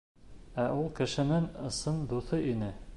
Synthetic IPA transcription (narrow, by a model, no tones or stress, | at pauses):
æʔulˠkɘ̆ʃɘ̆nɘŋɤ̆sɤnd̪uθɤʔinɘ